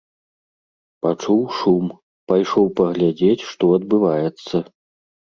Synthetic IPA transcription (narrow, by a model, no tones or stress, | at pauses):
pat͡ʂuwʂum | pajʂɔwpɐɣlʲad͡zʲet͡sʲʂt̪ɔɐd̪̚bɨvajɛt̪sːɐ